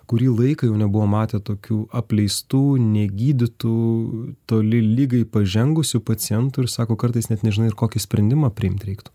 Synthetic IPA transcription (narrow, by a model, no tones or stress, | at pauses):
kʊɾʲiːlˠɐɪkɐjɛʊnʲɛbʊʋoːmɑːt̪ʲeːt̪oːkʲuːɐpʲlʲɛɪst̪uːnʲɛɡʲiːd̪ʲɪt̪uːt̪oːlʲɪlʲiːɡɐɪpɐʒʲɛŋɡʊsʲʊpɐt͡s̪ʲɪjɛnt̪ʊɪɾsɑːkoːkɐɾt̪ɐɪsnʲɛt̪nʲɛʒʲɪnɐɪɾkoːkʲɪsʲpʲɾʲɛnd̪ʲɪmɐpʲɾʲɪɪmt̪ɾʲɛɪkt̪ʊ